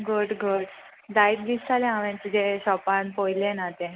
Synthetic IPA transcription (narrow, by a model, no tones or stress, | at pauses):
ɡuɖɡuɽ | d̪ait̪bist̪aleãʋẽnt̪id͡ʑeɕɔpanpojlenat̪ẽ